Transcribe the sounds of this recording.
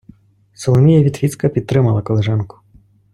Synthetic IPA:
sɔlˠɔmʲijɐvʲit̪fʲit̪skɐpʲit̪ːɾɨmalˠɐkɔlˠɛʐankʊ̥

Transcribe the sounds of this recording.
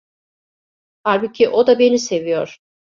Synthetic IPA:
haɾbɯcʲʰiʔo̞d̪abe̞nisevijoɾ̥

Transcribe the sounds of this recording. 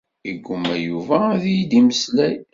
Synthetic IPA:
iɡʷːʊmæjuvæðijd̪iməslæj

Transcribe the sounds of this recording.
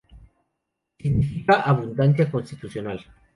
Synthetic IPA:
siɣnifikaʔaβund̪ansjakonst̪i̥t̪usjonal

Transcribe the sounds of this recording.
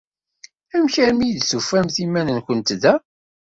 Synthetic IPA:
æmçæɾmid̪sufæmθimænənkʷənt̪ðæ

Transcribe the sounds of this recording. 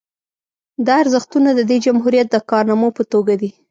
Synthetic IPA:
d̪ɑaɾzəxt̪unad̪əd̪ed͡ʒamɦuɾijat̪̚d̪əkɑɾnɑmopət̪oɡad̪i

